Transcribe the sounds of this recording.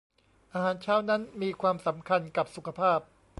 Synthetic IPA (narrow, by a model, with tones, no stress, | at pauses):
ʔaː˧ɦaː˩˦nt͡ɕʰaː˥˩wna˦˥nmiː˧kʰwaː˧msa˩˦mkʰa˧nka˨˩p̚su˨˩kʰa˧pʰaː˥˩p̚